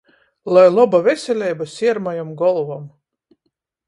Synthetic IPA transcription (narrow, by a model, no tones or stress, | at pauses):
lˠajlˠɔbavʲɛsʲɛlʲɛjbasʲiɛɾmajamɡɔlˠvam